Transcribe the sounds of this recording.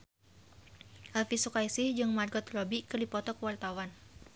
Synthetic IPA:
ʔalfisukajsihd͡ʒɨŋmarɡɔt̪lɔbikərlipɔt̪ɔkəwart̪awan

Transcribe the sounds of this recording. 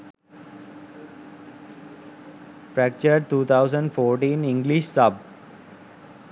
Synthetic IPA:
fɾæk̚t͡ʃəɾɖ̚ʈ̪uːt̪ʰaʊzə̃ɳɖfoːɾʈĩːnɪ̃ŋɡliʃsʌb

